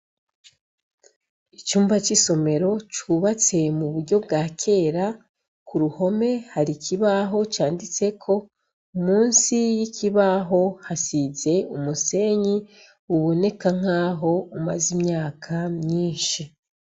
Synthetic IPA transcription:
it͡ʃuːmbat͡ʃiso̞me̞ɾo̞t͡ʃuβat͡se̞muβuɾɟo̞bɡaːkʰe̞ːɾa | kuɾuho̞me̞haɾikʰiβaɦo̞t͡ʃaːndit͡se̞kʰo̞ | umuːnsijiciβaɦo̞hasize̞umuse̞ːɲi | uβo̞ne̞kaŋ̥aːɦo̞umazimɲaːkʰamɲiːnʃi

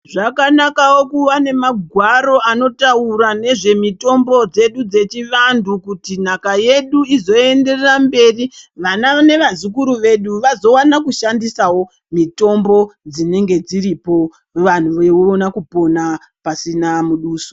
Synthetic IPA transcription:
ʐakanakawo̞kuʋane̞maɡʱwaɾo̞ano̞tauɾane̞ʐe̞mito̞mbo̞d͡ze̞ɗud͡ze̞t͡ʃiʋandukutin̤akaje̞ɗuizo̞e̞nde̞rerambe̞ːriʋanane̞ʋazik̬uɾuʋe̞ɗuʋazo̞wanakuʃandisawo̞ | mito̞mbo̞d͡zine̞ŋɡe̞d͡ziɾipo̞ | ʋan̤uʋeuonakupo̞na | pasinamuɗuːso

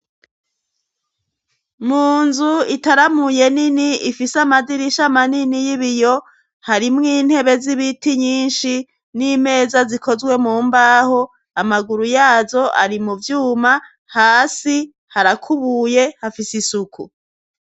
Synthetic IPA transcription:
muːnzuitaɾamuje̞niniifisamadiɾiʃamaninijiβijo̞ | haɾimŋiːn̥he̞βe̞ziβitiɲiːnʃi | nime̞ːzaziko̞zɡwe̞muːmbaːho̞ | amaɡuɾujaːzo̞ʔaɾimuvjuːma | haːsi | haɾakʰuβuːje̞hafisisukʰu

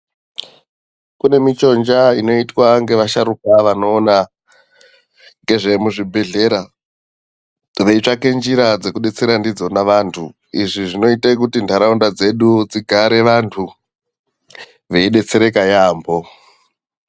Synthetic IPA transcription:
kune̞mit͡ʃo̞nd͡ʒaino̞itwaŋɡe̞ʋaʃaɾukaʋano̞ːna | ŋɡe̞ʐe̞muʐibʱe̞ɮe̞ɾa | ʋe̞it͡ʂake̞nd͡ʒiɾad͡ze̞kuɗe̞t͡se̞ɾandid͡zo̞naʋantʰu | iʐiʐino̞itak̬utindʱaɾaundad͡ze̞ɗud͡ziɡʱaɾe̞ʋantʰu | ʋeiɗe̞t͡se̞ɾe̞kajaːmbo̞

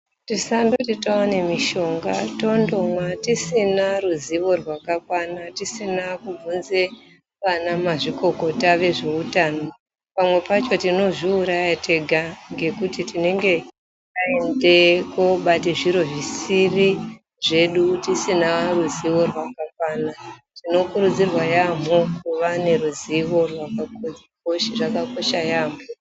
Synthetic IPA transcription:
tisando̞titaane̞miʃo̞ŋɡato̞ndo̞mwatisinaruziʋo̞rwakakwanatisinakub͡vunze | ʋanamaʐiko̞ko̞taʋe̞ʐe̞utaːno̞ | pamwe̞pat͡ʃo̞tino̞ʐiuɾajatʰe̞ɡʱaŋɡe̞kutitine̞ŋɡe̞ | taendekoɓateʐiɾo̞ʐisiri | ʐe̞ɗutisinaruziʋo̞rwakakwaːnatino̞kuɾud͡zirwajam̤okuʋane̞ruziʋo̞rwakakod͡z | koʃrakako̞ʃajaːmo

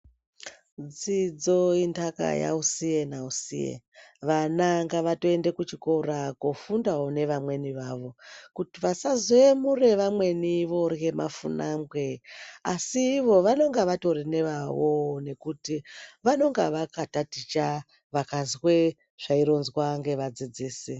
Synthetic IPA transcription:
d͡zid͡zo̞indaka̰ja̰usije̞nausḭjḛ | ʋanaŋɡaʋato̞e̞ndekut͡ʃikorakofundaone̞ʋamwe̞niʋaʋo̞kutiʋasazoemure̞ʋamwe̞niʋo̞rɣe̞ma̰funambwe̞asiʋo̞ʋano̞ŋɡaʋato̞rine̞ʋawone̞kutiʋano̞ŋɡaʋakatatit͡ʃa | ʋakazwe | ʐ̥aiɾonzwaŋɡe̞ʋad͡zid͡ziːsi

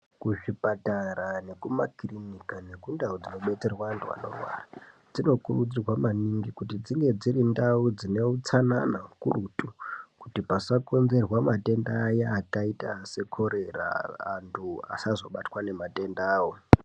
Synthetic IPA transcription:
kuʂipataɾane̞kumakirinikane̞kundaud͡zino̞ɓe̞t͡se̞rwaːntʰua̰no̞̰rwa̰rad͡zino̞kurud͡zirwamaniŋɡikutid͡ziŋɡe̞d͡zirindaud͡zine̞ut͡sananakurutukutipasako̞nze̞rwamate̞ndajaːkaitase̞kʰo̞ɾe̞ra̰ːntʰua̰sazo̞ɓatwane̞mate̞ndaːwo

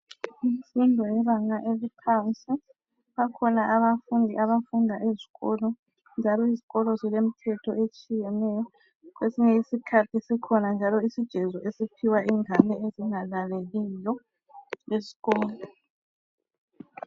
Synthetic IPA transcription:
im̩sindʱɔɛβaŋaʔeβupʰansʼi | βakʰɔnaʔaβafundʱiʔaβafundʱaʔeziɣɔlɔ | nd͡ʒʱalɔiziɣɔlɔzilem̩tʰɛtʰɔ̰et͡ʃʼijɛnɛjɔ | ɣwesiɲɛisikʰatʰisɛkʰɔnand͡ʒʱalɔisid̥ʒ̥ʱɛzɔʔesipʰiwaʔiŋʱanɛeziŋalaleɣijɔ | lezi̥ɣɔːlɔ

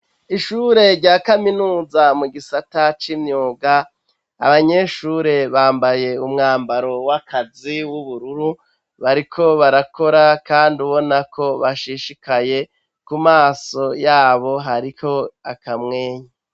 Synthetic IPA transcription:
iʃuːɾe̞ɾɟaːkaminuːzamuɡisatat͡ʃimɲuːɡa | a̰βaɲe̞ʃuːɾe̞βaːmbaje̞umŋaːmbaɾo̞wakʰaziwuβuɾuɾu | βaɾikʰo̞βaɾako̞ɾakaːnduβo̞nakʰo̞βaʃiʃikaje̞ | kumaːso̞jaːβo̞ɦaɾiho̞akamŋe̞ːɲa

